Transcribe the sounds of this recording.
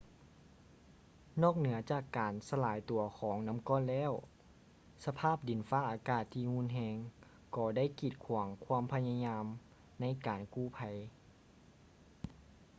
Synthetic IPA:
nɔː˥˩k̚nɯ˩˦ɐt͡ɕaː˧˨˩kːaː˨˩nsa˧laː˨˦jt̪u˨˩ɐxʰɔː˩˨˦ŋna˧˥mkɔː˥˨nlɛː˧˥˨w | sa˧pʰaː˥˩p̚di˨˩nfaː˦˥ʔaː˨˩kaː˧˩t̪ʰːiː˧˩hu˧˥˨nɦɛː˧ŋ | kɔː˧da˥˨jkiː˧˩t̪̚kʰu˨˩˦əŋkʰwaː˧˥˨mpʰa˧jɲa˧ɲaː˧m | na˧˥˨jkaː˨˩nkuː˧˩˨pʰa˧˩j

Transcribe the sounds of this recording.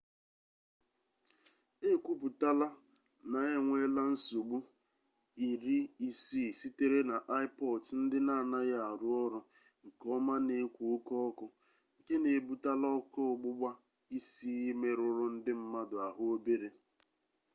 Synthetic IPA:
e˦kʷu˦pu˨ta˦la˦ | na˨e˦ŋʷe˦la˦n̩˦su˨ɡ͡bu˦ | i˨ɾi˦i˦si˦˨si˦te˦ɾe˦na˨ʔa˦ɪ˦pɔ˨ltn̩˦dɪ˦na˦˨na˦ɣa˦˨a˨ɾʊ˦ɔ˦ɾʊ˨ | ŋ̩˨kɔ˦ma˦ne˨˦kʷu˨o˦kɔ˦kʊ˨ | ŋ̩˨ke˦ne˨bu˦ta˦lɔ˦kɔ˦ʊ˨ɡ͡bʊ˦ɡ͡ba˦ | i˦si˦i˦me˦ɾʊ˦ɾʊ˦n̩˦dɪ˦m̩˦ma˦dʊ˨a˨ɦʊ˦o˦be˦ɾe˦

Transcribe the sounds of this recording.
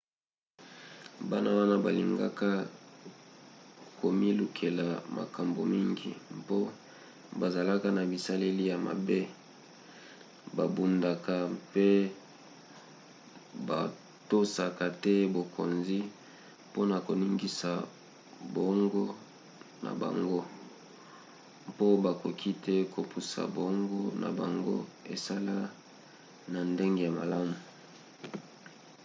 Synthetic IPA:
ba˦na˦wa˦na˦ba˨li˨ŋɡa̰˦ka˦ | ko˨mi˦lu˨kʰe˨la˨ma̰˨ka˨mbo̰˨mi˦ŋɡḭ˨mpo˦ | ba˨za˨la˦ka˦na˨bi˨sa˦le˦li˦ja˨ma̰˨be˦ | ba˨bu˨nda˨ka˨pe˦ | ba˨ | to˦sa˨ka˨tɛ˦bo˨kʰo̰˨nzi˦ | po˦na˨ko˨ni˦ŋɡi˦sa˨ | bo˨˦ŋɡɔ˦ | na̰˨ba̰˨ŋɡo˦ | po˦ba˨ko˨kʰi˦tɛ˦ko˨pu˨sa̰˨bo˨˦ŋɡo˦na̰˨ba˨ŋɡo̰˦e˨sa˦la˦ | na˨nde˦ŋɡe˨ja˨ma˨la˦mu˨

